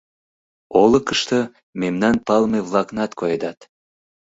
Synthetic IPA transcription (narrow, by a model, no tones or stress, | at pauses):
olɤ̆kəʃt̪ə | memnɑnpɑlmeβlɑknɑt̪kʰojed̪ɑt̪